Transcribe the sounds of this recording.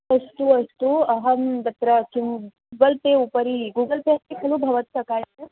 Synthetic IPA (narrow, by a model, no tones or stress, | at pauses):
ɐst̪uɐst̪uɐɦɐnd̪ɐt̪ɾɐkinuɡɐlt̪eupɐɾiɡuːɡɐlt̪eɐst̪ikʰɐlubʱɐʋɐt̪sɐkaːjɐ